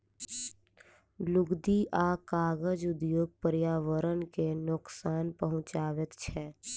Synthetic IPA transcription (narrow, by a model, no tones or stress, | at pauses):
lʊɡd̪iʔaːkaːɣəd͡ʒʊd̪joːɡ̚pəɾjaːʋəɾənkenʊksaːnpəɦʊ̃t͡ʃaːʋɪt̪t͡ʃʰɛː